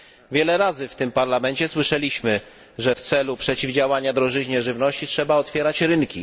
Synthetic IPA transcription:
vʲjɛlɛɾazɘft̪ɘmpaɾlamɛɲt͡ɕɛswɘʂɛlʲiɕmɘ | ʐɛft̪sɛlupʂɛt͡ɕivd͡ʑawaɲad̪ɾɔʐɘʑɲɛʐɘvnɔɕt͡ɕitʂɛbaɔt̪fʲjɛɾat͡ɕɾɘnkʲi

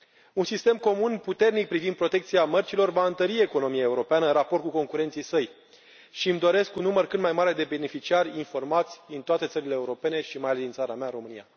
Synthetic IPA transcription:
unsist̪e̞mko̞munput̪e̞rnik̚pɾivind̪̚pɾo̞t̪e̞kt̪siamərt͡ʃilo̞rvaɨnt̪əɾie̞ko̞no̞miae̞uɾo̞peanəɨnraport̪kuko̞ŋkuɾent̪sijsəj | ʃimd̪o̞ɾe̞skunːumərkɨt̪majmaɾe̞d̪e̞be̞ne̞fit͡ʃiarʲinfo̞rmat̪sʲd̪int̪oat̪esəɾile̞ːuɾo̞pe̞ne̞ʃimajalesd̪int̪saɾameaɨnɾo̞mɨnija̰

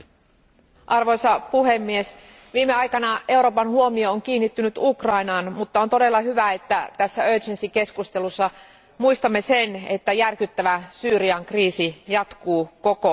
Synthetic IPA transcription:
ʔɑrʋo̞jsɑpuɦe̞mːie̞s | ʋiːmeɑjkɑnɑʔe̞uwɾo̞ːpɑnhuo̞mio̞oŋk̟iːnːit̪ːynyt̪ukrɑinɑːnmut̪ːɑo̞nt̪o̞de̞lːɑɦyʋæe̞t̪ːæt̪æsːæøːt͡ʃensiŋke̞skust̪e̞lusːɑ | muist̪ɑmːe̞se̞ne̞t̪ːæjærkyt̪ːæʋæsyːɾiɑŋkriːsijɑt̪kuːko̞ko̞

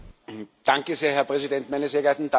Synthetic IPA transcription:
d̥aŋkəzeːɐɦɛɐpʁ̥ɛzidɛntmaɪnəseːɐɡɛɐtn̩da

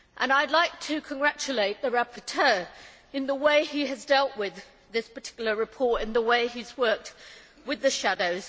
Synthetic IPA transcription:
ʔə̃naɪdˡlaɪk̚tʰɨkʰə̃nɡɹat͡ʃɨleɪʔ̪̚ðəɹæpʰətʰɜɹ | ɨ̃nðəweɪiɨzdɛlˠʔwɪð | ðɪspətʰɪ̥kjl̩ˠəɹɨpʰɔɹtɨ̃nðəweɪizwɜˑ˞k̚t̚ | wɪðɨʃædoʊz̥

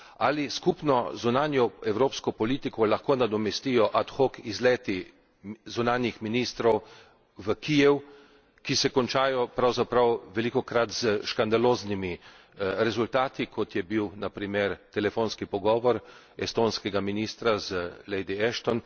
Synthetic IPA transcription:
aliskupnɔzunaːnjɔɛwɾoːpskɔpɔliːt̪ikɔlaxkoːnad̪ɔmɛst̪ijɔʔat̪xokizlɛːt̪i | zunaːnjixminist̪ɾɔw | ʋəkijɛw | kisɛkɔnt͡ʃaːjɔpɾawzapɾawʋɛlikɔkɾat̪z̥əʃkand̪aloːznimi | ɾɛzult̪aːt̪ikʰɔt̪jɛbiwnapɾimeɾt̪ɛlɛfoːnskipɔɡɔːʋɔɾ | ɛst̪oːnskɛɡaminiːst̪ɾazəlɛjd̪iɛʃt̪ɔn

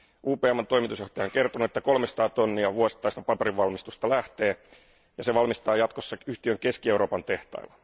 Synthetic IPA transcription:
uːpeːɑmːɑnt̪o̞imit̪usjoht̪ɑjɑoŋke̞rt̪onuet̪ːæko̞lmest̪ɑːt̪o̞nːiɑʋuosi̥t̪ːˑɑist̪ɑ̥pɑpeɾiʋʋɑlmist̪ust̪ɑlæht̪e̞ː | jɑseʋɑlmist̪ɑːjɑt̪kosːɑyht̪iøŋkeskieuɾo̞ːpɑnt̪e̞ht̪ɑ̰ilːɑ̥

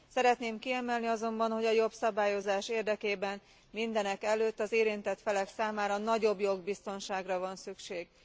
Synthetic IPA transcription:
sɛɾɛt̪neːmkiɛmɛlniɒzo̞mbɒnho̞ɟɒjo̞psɒbaːjo̞zaːʃeːrd̪ɛkeːbɛn | mind̪ɛnɛkɛløːt̪ːɒzeːɾint̪ɛt̪fɛlɛksaːmaːɾɒnɒɟo̞bjo̞ɡbist̪o̞nʃaːɡrɒvɒnsykʃeːɡ̥

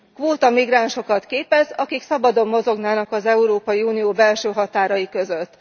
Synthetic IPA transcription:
kʋoːt̪ɒmiɡraːnʃo̞kɒt̪keːpɛzɒkiksɒbɒd̪o̞mːo̞zo̞ɡnaːnɒkɒzɛuɾoːpɒjiuːnijoːbɛlʃøːɦɒt̪aːɾɒjikø̞zø̞t̪ː

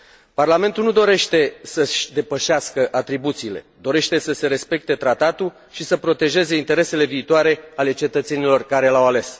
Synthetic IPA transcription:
parlame̞nt̪ulnud̪o̞ɾe̞ʃt̪e̞səʃʲd̪e̞pəʃeaskəʔat̪ɾibut̪siːle̞̰d̪o̞ɾe̞ʃt̪e̞səse̞ɾe̞spe̞k̚t̪e̞t̪ɾat̪at̪ul | ʃisəpɾo̞t̪e̞ʒe̞ze̞int̪eɾe̞se̞le̞viːt̪oaɾe̞ale̞t͡ʃe̞t̪ət̪se̞nilo̞rkaɾe̞lawale̞s

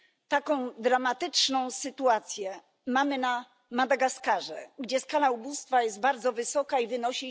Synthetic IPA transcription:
t̪akɔ̃w̃d̪ɾamat̪ɘt͡ʂnɔ̃w̃sɘt̪uat̪sʲjɛ | mamɘna | mad̪aɡaskaʐɛɡd͡ʑɛskalaubust̪fajɛst̪̚baɾd̪zɔvɘsɔkaivɘnɔɕi

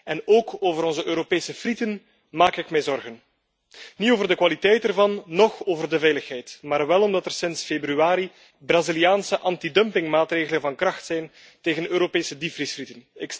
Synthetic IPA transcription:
ɛnoːkoːvəɾɔnzəʔøːɾopeːsəfritən | maːkɪkmɛjzɔrɣən | nioːvərdəkwaːlitɛjtɛrvɑnːɔxoːvərdəvɛjləxɦɛjtmaːrʋɛlɔmdɑtɛrsɪnsfebryaːɾi | braziliaːnsəʔɑntidœmpɪŋmaːtreːɣələnvɑnkrɑxtsɛjn | teːɣənøːɾopeːsədifrisfritənɪk

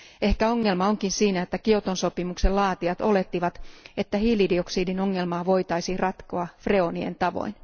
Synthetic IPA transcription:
e̞hkæo̞ŋːe̞lmɑo̞ŋkinsiːnæet̪ːækiot̪onso̞pimukse̞lɑːt̪iɑt̪o̞le̞t̪ːiʋɑt̪et̪ːæhiːlidio̞ksiːdino̞ŋːe̞lmɑːʋo̞jt̪ɑjsirɑt̪koɑfre̞o̞nie̞̰nt̪ɑʋo̰in

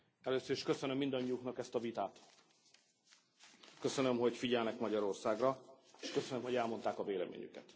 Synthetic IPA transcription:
ɛløːsøɾiʃkø̞sønømːind̪ɒɲːijuknɒkɛst̪ɒvit̪aːt̪ | kø̞sønø̞mho̞ɟfiɟɛlnɛkmɒɟɒɾo̞rsaːɡrɒ | eːʃkø̞sønømɦoɟɛlmo̞nt̪aːkɒveːlɛ̰mʔḛːɲy̰kɛ̰t̪

